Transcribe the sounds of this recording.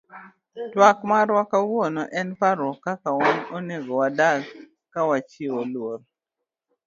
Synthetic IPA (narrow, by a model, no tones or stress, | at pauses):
twakmaɾwɔkawonɔʔɛnpaɾwɔkakawanoneɡɔwadak | kːawat͡ʃiolwol